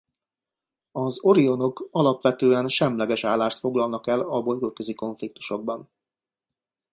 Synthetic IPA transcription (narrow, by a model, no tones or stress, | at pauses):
ɒzo̞ɾio̞no̞kɒlɒpʋɛt̪øːɛnʃɛmlɛɡɛʃaːlːaːʃt̪fo̞ɡlɒlnɒkɛlɒbo̞jɡokːøziko̞ɱflik̚t̪u̥ʃo̞ɡ̚bɒn